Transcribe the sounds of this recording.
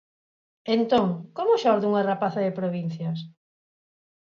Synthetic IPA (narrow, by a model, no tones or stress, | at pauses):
ent̪oŋkomʊʃɔɾðuŋarapaθaðɪpɾoβin̟θjas